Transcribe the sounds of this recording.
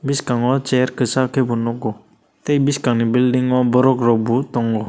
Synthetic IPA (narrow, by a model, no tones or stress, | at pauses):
biskaŋɔt͡ʃɛɾkəsakʰebunɔkɔ | t̪ɛjbiskaŋnibildiŋɔbɔɾɔkɾɔbut̪ɔŋɔ